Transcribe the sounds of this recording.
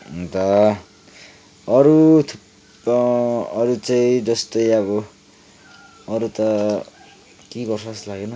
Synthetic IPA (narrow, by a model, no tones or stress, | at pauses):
d̪ʌ | ʌɾut̪ʰp | ʌɾut͡saĩd͡zʌst̪ʌjʌβʌ | ɾut̪ʌ | kiɡʌrsʌslaɡenʌ